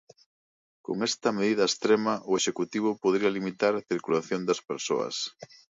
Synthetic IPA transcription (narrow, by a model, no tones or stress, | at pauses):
ko̰ŋest̪ɐmeðiðɐest̪ɾemɐʔʊeʃekut̪iβ̞ʊpoðɾiɐlimit̪aɾɐθiɾkulaθjond̪ɐspeɾso̰ɐ̰s